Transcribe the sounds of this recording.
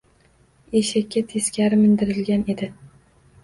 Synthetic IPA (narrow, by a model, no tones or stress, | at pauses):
eʃakʲːat̪ʰeskʲaɾɪmɪnd̪ɪɾɪlɡʲane̞d̪ɪ